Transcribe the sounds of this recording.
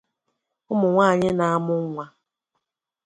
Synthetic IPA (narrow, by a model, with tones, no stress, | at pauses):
ʊ˦mʊ˨ŋʷaː˦˨ɲɪ˦na˨a˦mʊ˦a˦